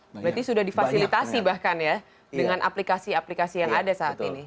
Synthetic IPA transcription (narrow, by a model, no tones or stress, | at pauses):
bɾat̪isudahdifasilit̪asibahkanja | dəŋanʔa̰plikasiaplikasijaŋadasaːt̪ini